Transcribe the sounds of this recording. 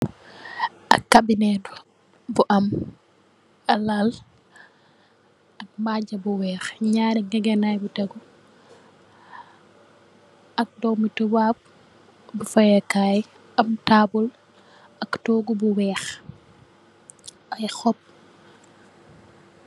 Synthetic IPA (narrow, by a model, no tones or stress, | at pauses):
ɐkːabinɛtu | buʔɐm | ɐlal | ɐk̚maɟɐbuwɛːxɲaɾiŋɡɛɡɛnajbutɛɡu | ɐk̚dɔwmutuwab̚ | bufɐjɐkaj | ɐmtaːbul | ɐktɔːɡubuwɛːx | ajxɔp̚